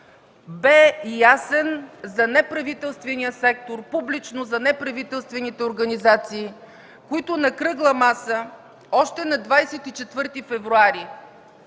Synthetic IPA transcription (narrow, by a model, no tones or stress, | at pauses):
bɛjasɛnzɐnɛpɾɐvit̪ɛlˠst̪vɛnijəsɛk̚t̪oɾpublit͡ʃnozɐnɛpɾɐvit̪ɛlˠst̪vɛnit̪ɛoɾɡɐnizat̪siː | koit̪ʊnɐkɾɤɡlˠɐmasə | ɔʃt̪ɛnɐd̪vajsɛt̪it͡ʃɛt̪vɤɾt̪ifɛvɾuaɾi